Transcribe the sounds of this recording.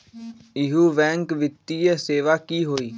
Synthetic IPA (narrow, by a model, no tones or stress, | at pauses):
ɪɦuːʋɛ̃ːŋkʋɪt̪ːijeseːʋaːkiɦoːiː